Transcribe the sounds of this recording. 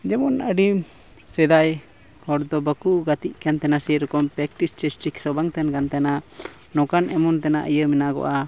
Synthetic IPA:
d͡ʒɛmɔnəɖim | sɛd̪aj | hɔɾd̪ɔbəkuɡat̪iʔ̚kant̪ɛnasiɾɔkɔmpɾɛk̚ʈist͡ʃɛsʈiksɔbaŋt̪ɛnkant̪ɛna | nɔkanʔɛmɔnt̪ɛna̰ʔəjəminaɡɔ̰ʔa

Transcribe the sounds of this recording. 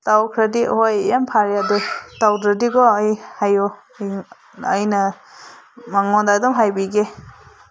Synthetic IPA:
tawkʰɾadihojampʰaɾjadutawdɾadiɡɔajhajɔ | əjnɐ | maŋɔndadɔmɦajbiɡe

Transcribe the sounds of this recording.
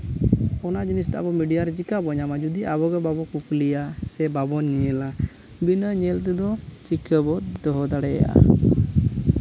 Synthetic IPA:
ɔnad͡ʒinist̪aa̰bɔmiɖijaɾɛt͡ʃikabɔɲamad͡ʒud̪iʔabɔɡɔbabɔkuklijasɛbabɔɲiɛla | binəɲɛlt̪ɛd̪ɔt͡ʃikəbɔd̪ɔɦɔd̪aɽɛa̰ʔa̰

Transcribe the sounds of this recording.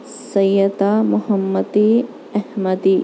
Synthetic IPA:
sɐjːɐd̪amʊhɐmːɐd̪i | ɐhmɐd̪i

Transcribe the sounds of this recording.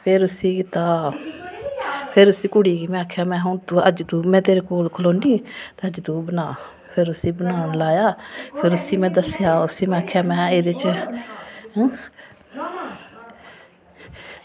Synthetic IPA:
pʰɪɾʊsiːkɪt̪aː | pʰɪɾʊsiːkʊɽiːɡiːmɛ̃ːaːkʰːjaːmɛ̃ːɦõt̪uːəd͡ʒt̪uːmɛ̃ːt̪eːɾeːkoːlkʰəloːniːt̪eəd͡ʒd̪uːbənaː | pʰɪɾʊsiːbənaːʊnlaːjaːpʰɪɾʊsiːmɛ̃ːd̪əsjaːʊsiːmɛ̃ːaːkʰːjaːmɛ̃ːeːd̪eɪt͡ʃ

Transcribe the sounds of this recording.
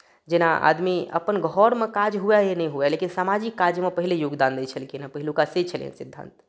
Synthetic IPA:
d͡ʒenaʔa̰d̪miə̰pənɡʱɔɾmẽkad͡ʒɦuajenəĩɦuɛlekinsamad͡ʒikːad͡ʒmẽpəɦilejoɡd̪and̪ɛt͡ʃʰəlkinapəɦilukaset͡ʃʰəl̰ə̰nsid̪ʱːã̰nt̪

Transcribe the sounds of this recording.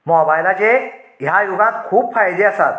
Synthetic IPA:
mɔbajlat͡ɕejɦãjoɡãt̪̚kʰuːb̚fajd̪eəsat̪

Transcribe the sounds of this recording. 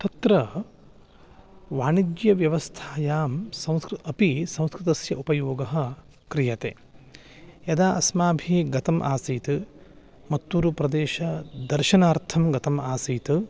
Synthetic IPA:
t̪ɐt̪ɾɐ | ʋaːniɡjɐʋjɐʋɐst̪ʰaːjaːmsɐ̃w̃skɾɐpisɐ̃w̃skɾɪt̪ɐsjɐʔupɐjoːɡɐɦɐ̆ | kɾijɐt̪ḛː | jɐd̪aːʔɐsmaːbʱiɡɐt̪ɐmʔaːsiːt̪ɨ | mɐt̪ːuːɾupɾɐd̪eːʃɐd̪ɐɾʃɐnaːɾt̪ʰɐmɡɐt̪ɐmaːsiːt̪ɨ

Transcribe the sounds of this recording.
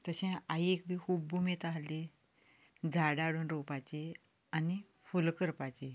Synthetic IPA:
t̪əɕẽaiekbʱiːkʰuːbːumet̪aɦle | d͡zʱaɽaɽuːnɾopat͡ɕe | ani | fulkəɾpat͡ɕe

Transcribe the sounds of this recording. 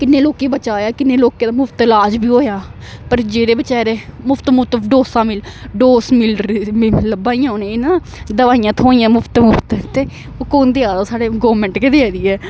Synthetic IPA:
kɪnːeːloːkeːbət͡ʃaːjaːkɪnːeːloːkeːd̪aːmʊpʰt̪laːd͡ʒbiːɦoːjaː | pəɾd͡ʒeːɾeːbət͡ʃɛːɾeːmʊfʰt̪mʊt̪əɖoːsãːmɪlɖoːsmɪl | ləbaːijãːoːnẽːnãː | d̪əʋaːijãːt̪ʰoːijãːmʊpʰt̪mʊpt̪ət̪eː | oːkoːnd̪eaːd̪oːsaːɽeːɡoːɾmɛ̃ɳʈked̪eɛːd̪iːɛː

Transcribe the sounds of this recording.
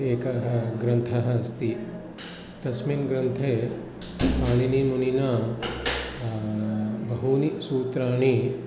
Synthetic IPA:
eːkɐɦɐɡɾɐnt̪ʰɐɦɐ̆ɐst̪i | t̪ɐsminɡɾɐnt̪ʰeː | paːɳ̃inimuninaː | bɐɦunisuːt̪ɾaːɳ̃i

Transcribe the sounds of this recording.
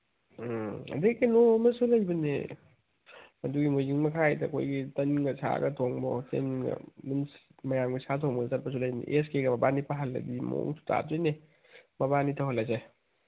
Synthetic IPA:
ɐ̰dikinomɐsulɐjbɐnḛ | mɐduɡimujziŋmɐkʰajdɐ̰kʰo̰jɡitɐnɡɐsʰa̰ɡɐtʰoŋbɔsḛnɡɐ̰minsmɐjamɡisʰatʰoŋbɐnsaɾpɐsulɐjbɐnḛʔeskeɡɐmɐbanipʰaɦɐlːɐ̰dimo̰ŋtʰu̥ta̰tojne | mɐbanitʰɐwhɐlːaze

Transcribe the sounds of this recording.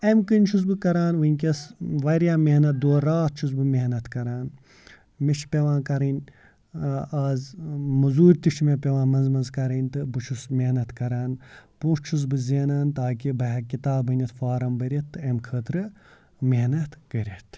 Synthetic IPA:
ɐmkɨnʲt͡ʃʰus̬bɨkɐɾaːnʋɨnʲkʲɐsʋɐɾʲjaːmehnɐt̪̚d̪oːɾaːt̪̚t͡ʃʰuzbɨmeɦnɐt̪kɐɾaːn | met͡ʃʰpʲeʋãːkɐɾɐnʲ | aːzmɐzuːɾʲt̪iʃʰmepʲeʋãːnmɐnzmɐnzkɐɾɐnʲt̪ɨbɨt͡ʃʰusmeɦnɐt̪kɐɾaːnpũːʂt͡ʃʰus̬bɨzʲeːnaːnt̪aːkibɐɦɐkit̪aːbɨnʲɐt̪faːɾɐmbɐɾʲet̪ːɨɐmkʰəːt̪ɾɨ | meɦnɐt̪kɐɾʲet̪ʰ

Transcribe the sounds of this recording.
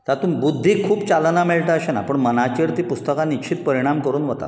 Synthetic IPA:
t̪at̪uːmbud̪ʱːikʰuːpt͡ɕalnameɭʈ̪əəɕena̰pəɳmənat͡ɕiɾt̪iːpust̪əkaniɕʰiːt̪̚pəɾiɽ̃amkəɾuːnʋət̪a̰

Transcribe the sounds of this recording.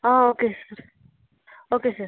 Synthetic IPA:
ãːoːkesəɾ | oːkesəɾ

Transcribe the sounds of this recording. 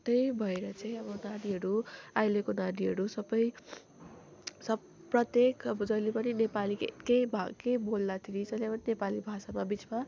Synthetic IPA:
t̪ʌjbʱʌeɾʌt͡saĩʌbʌnad̪iɦʌɾuajlekonad̪iɦʌɾusʌbʌj | sʌ | prʌt̪jekʰʌbʌd͡zʌjlepʌninepalikḛkejbʱakejbold̪at̪ʰiɾid͡zʌjlepʌninepalibʱasamabit͡sma

